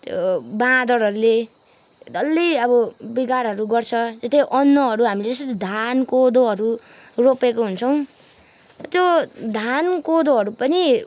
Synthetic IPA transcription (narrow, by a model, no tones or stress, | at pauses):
t̪jbãd̪ʌɽɦʌɾule | d̪ʌlːiʌbʌbiɡaɾɦʌɾuɡʌrt͡sʰʌd͡zest̪ʌjʔʌnːʌɦʌɾuɦamiled͡zʌst̪ʌt̪id̪ʱankod̪oɦʌɾu | ropekoɦunt͡sʰʌw̃ | t̪jod̪ʱankod̪oɦʌɾupʌni